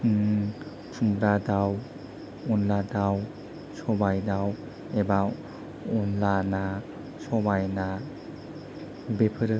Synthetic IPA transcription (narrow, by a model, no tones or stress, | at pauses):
tʰumbɾadaw | ɔnladaw | sɔbajdaw | eba | ɔnlana | sɔbajna | bepʰɯɾɯ